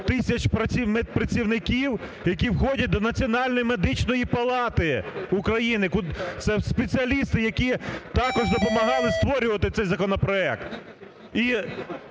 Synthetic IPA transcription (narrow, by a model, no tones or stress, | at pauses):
t̪ɪsʲɐt͡ʃpɾɐimepɾɐt͡sʲiwnɪkʲiwjɐk̬ʲiwxɔdʲɐt̚ʲd̪ɔnɐt͡sʲiɔnɑlʲnɔjimed̪ɪt͡ʃnɔjipɐlˠɑt̪ɪukɾɐjinɪkut̪sɛspet͡sʲɪɐlʲist̪ɪjɐkʲit̪ɑkɔʒd̪ɔpɔmɐɦɑlˠɪst̪ʋɔɾʲʊʋɐt̪ɪt̪sɛjzɐkɔnɔpɾɔɛk̚t̪ | i